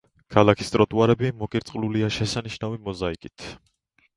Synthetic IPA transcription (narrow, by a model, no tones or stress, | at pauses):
kʰalˠakʰist̪ʼɾɔt̪ʼuaɾɛbimɔkʼiɾt̪sʼluliaʃɛsaniʃnavimɔzaikʼit̪ʰ